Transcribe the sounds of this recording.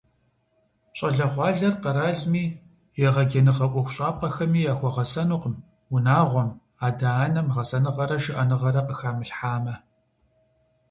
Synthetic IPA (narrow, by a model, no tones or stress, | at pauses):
t͡ʃʼɐɮɐʁʷɑːɮɐrqɐɾaːɮmiː | jɛʁɐɡʲenɨʁɐʔʷɔxʷʊɕʼaːpʰɐxɐmiːjaːxʷɔʁɐsɐnuːqm | ʊnaːʁʷɔm | aːdanɐmʁɐsɐnɨʁɐɾɐʃɪʔɐnɨʁɐɾɐqəxaːmɨɬħaːmɐ